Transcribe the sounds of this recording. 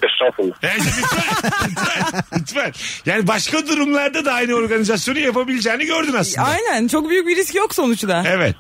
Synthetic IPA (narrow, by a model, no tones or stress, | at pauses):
ɛsɾafulˠabænd͡ʒɛmyt̪vælmyt̪vælmyt̪vælʲjaːnibaʃkad̪uɾumlˠaɾd̪ad̪aajnɯo̞ɾɡanizasjo̞nujapabilʲid͡ʒɛːniɟø̞ɾd̪ynasˠɯajnænt͡ʃʰo̞k̚byjyc̚ʲbiɾiscjo̞kso̞nut͡ʃd̪aevɛt̪